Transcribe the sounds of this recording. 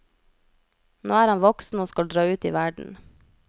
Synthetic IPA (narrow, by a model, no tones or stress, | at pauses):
no̰ːæːɾhɑnʋɔksn̩oːskɑld̪ɾɑːʉːt̪ḭːʋæɖɳ̩